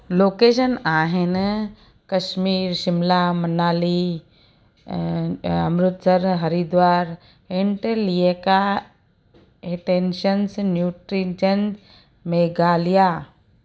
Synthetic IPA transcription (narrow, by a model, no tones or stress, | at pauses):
loːkeːʃənaːɦɪn | kɐʃmiːɾʃɪmlaːmɐnaːli | ɐ̰mɾʊt̪səɾɦɐɾid̪ʋaːɾ | eɳʈelieka | eʈeːnʃənsnjuːʈɾid͡ʒən | meːɡaːlijaː